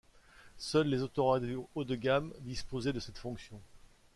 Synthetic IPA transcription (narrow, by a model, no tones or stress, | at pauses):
sœlːezot̪oʁad̪od̪əɡamd̪ispozɛd̪əsɛt̪fɔ̃ksjɔ̃